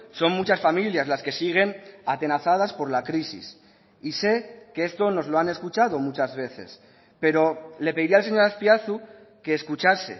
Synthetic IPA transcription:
so̞ŋmut͡ʃasfamiljazlaske̞siɣ̞e̞nat̪e̞naθað̞aspo̞ɾlakɾisḭs | ise̞keest̪o̞no̞zloane̞skut͡ʃað̞o̞mut͡ʃazβe̞θe̞̰s | pe̞ɾo̞le̞peiɾialse̞ɲo̞ɾaspjaθu | ke̞ːskut͡ʃase̞̰

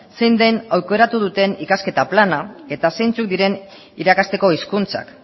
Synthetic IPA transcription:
se̞jnd̪ejnawjko̞eɾat̪uð̞ut̪e̞nikaske̞t̪aplanae̞t̪asejnt͡suk̚d̪iɾe̞n | iɾakast̪e̞ko̞iskunt͡sa̰k

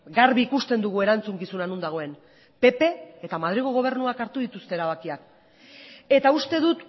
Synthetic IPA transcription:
ɡaɾβiːkust̪e̞nd̪uɣ̞ue̞ɾant͡suŋkisunanund̪aɣ̞o̞e̞n | pe̞pe̞ːt̪amað̞ɾiɣ̞oɣo̞β̞e̞ɾnuakaɾt̪uð̞it̪ust̪eɾaβ̞akiak̚ | e̞t̪aust̪e̞ðut̪

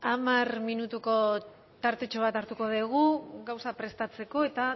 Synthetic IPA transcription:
amarminut̪uko̞ | t̪aɾt̪e̞t͡ʃo̞β̞at̪aɾt̪uko̞ðeɣ̞uɡawsapɾe̞st̪at͡se̞ko̞e̞t̪a

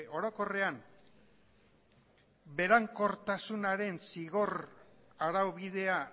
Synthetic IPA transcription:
ʔo̞ɾo̞ko̞re̞am | be̞ɾaŋko̞ɾt̪asunaɾe̞nsiɣo̞ɾ | aɾawβið̞e̞a

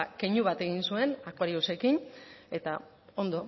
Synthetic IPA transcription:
keɲuβat̪e̞ɣ̞insue̞nakwaɾiose̞kine̞t̪a | o̞nd̪o̞

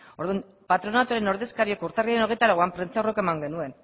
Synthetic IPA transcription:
o̞ɾðun | pat̪ɾo̞nat̪uɾe̞no̞ɾðe̞skaɾio̞kuɾt̪ariaɾeno̞ɣ̞et̪aɾaɣoampɾent͡sawrokoemaŋɡe̞nue̞n

